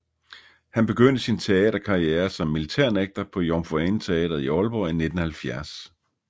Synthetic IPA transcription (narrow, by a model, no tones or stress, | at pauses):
hænb̥e̝ɡ̥øn̰d̥əsint͡sʰe̝ɛːd̥ɐkʰɑ̈ieːɐsɒ̽mːilit͡sʰæɐ̰neɡ̥̚d̥ɐpʰɒ̽jɒmfoent͡sʰe̝ɛ̰ːd̥ɐð̩ˠiɒ̽lb̥ɒine̝d̥n̩hælfjæɐs